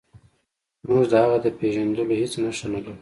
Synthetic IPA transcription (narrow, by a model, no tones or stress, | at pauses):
muʐd̪əhaɣad̪əpeʒand̪əlohet͡snaʂt̪onalu